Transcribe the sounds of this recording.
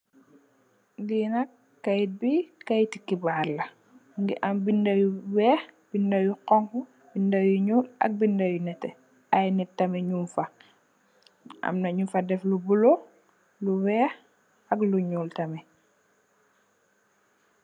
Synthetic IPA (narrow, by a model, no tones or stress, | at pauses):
ɡinɐkː | ajt̚bikajtikːibaːɾlɐ | ŋɡḭʔɐmbindajuwɛːxb̥indɐjuqɔŋku | bindajuɲuːlɐ̰k̚bindɐjunɛtɛ̰ | ajnitːɐmɛɲufa | ʔa̰mnɐɲufɐdɛflubulo | luwɛːx | ɐkluɲuːltɐmɛ